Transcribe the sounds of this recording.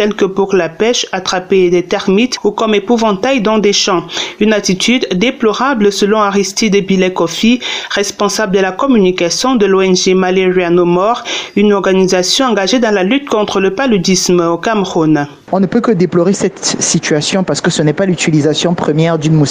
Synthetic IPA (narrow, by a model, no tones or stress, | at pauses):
t̪ɛlkəpuʁlapɛʃat̪χaped̪ɛt̪ɛʁmit̪ukɔmepuvɑ̃t̪ajd̪ɑ̃d̪eʃɑ̃ynat̪it̪yd̪d̪eplɔʁabləsəlɔ̃aʁist̪id̪əbilɛkɔfiʁɛspɑ̃sabld̪əlakɔmynikasjɔ̃d̪əloɛnʒemaleʁjanomɔʁynɔʁɡanizasjɔ̃ɑ̃ɡaʒed̪ɑ̃lalyt̪kɔ̃t̪χələpalyd̪ismokamʁun | ɔ̃nəpøkəd̪eplɔʁesɛt̪sit̪ɥasjɔ̃paʁsə̥kəsənɛpalyt̪ilizasjɔ̃pχəmjɛʁd̪ynmu